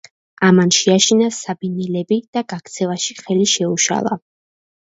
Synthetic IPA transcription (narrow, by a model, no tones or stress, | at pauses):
amanʃiaʃinasabinilɛbid̪̥aɡak̚ʰt̪sʰɛvaʃiχɛliʃɛuʃa̰lˠa̰